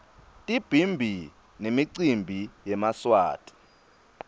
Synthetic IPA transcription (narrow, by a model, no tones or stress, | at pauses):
tʼib̥ʱimbʱi | nemiǀimbʱijɛmaswa̰ːtʼi̥